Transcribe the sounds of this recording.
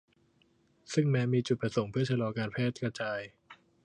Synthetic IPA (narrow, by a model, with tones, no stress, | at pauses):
sɯ˥˩ŋmɛː˦˥miː˧t͡ɕu˨˩t̪̚pɾa˧so˨˩˦ŋpʰɯ˥˩ɐt͡ɕʰa˧lɔː˧kaː˧npʰɛː˥˩t̪̚kɾa˧t͡ɕaː˧j